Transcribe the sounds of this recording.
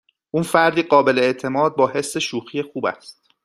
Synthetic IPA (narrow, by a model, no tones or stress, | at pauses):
ʔuːnfæɾd̪iːɢɒːbe̞leeʔt̪ʰe̞mɒːd̪̚bɒːɦe̞sːeʃuːxiːje̞xuːbæ̰st̪̚